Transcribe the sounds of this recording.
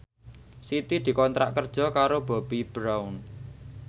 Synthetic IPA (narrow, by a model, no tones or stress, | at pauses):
sit̪id̪̥i̤kɔnt̪ɾa̰ʔkərd̥ʒ̥ɔ̤kaɾob̥a̤b̥ib̥ɾawn